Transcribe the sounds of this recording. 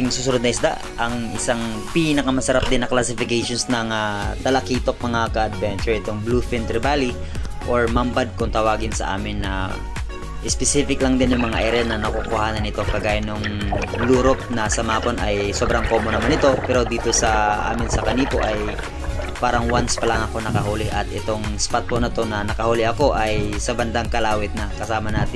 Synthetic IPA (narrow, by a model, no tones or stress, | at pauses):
ɪŋsusʊɾʊd̪nɐɪsd̪a̰ʔ | ʔɐŋʔɪsaŋ | piːnɐkɐmɐsɐɾap̚d̪ɪnːɐklasɪfɪkejʃonsnɐŋat̪ɐlɐkiːt̪o̞k̚mɐŋakɐɐd̪̚vɛnt͡ʃʊɹɪt̪oŋblufɪnt̪ɾɪbaːli | ʔoɹmɐmbad̪̚kʊŋt̪ɐwaːɡɪnsɐ̰ʔa̰ːmɪnːɐ | ʔɪspɛsiːfɪklɐŋd̪ɪnjʊŋmɐŋaʔɛɾɛnɐnɐkokʊhhaːnɐnɪt̪o̞kɐɡaːjanːʊŋluːɾop̚nɐsɐmaːponʔɐjso̞bɾɐŋkoːmonɐmanɪt̪o̞pɛːɾo̞d̪iːt̪o̞sɐʔa̰ːmɪnsɐkɐniːpo̞ʔɐj | paːɾɐŋwanspɐlɐŋʔɐko̞nɐkɐɦuːlɪʔɐt̪ʔɛt̪o̞ŋspat̪̚ponɐt̪o̞nɐnɐkɐhuːlɪʔɐko̞ʔɐjsɐbɐnd̪aŋkɐlaːwɪt̪̚nɐkɐsaːmɐnaːt̪ɪ